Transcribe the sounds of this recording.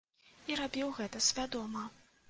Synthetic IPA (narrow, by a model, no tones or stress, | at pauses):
iɾabʲiwɣɛt̪ɐsʲvʲad̪ɔmɐ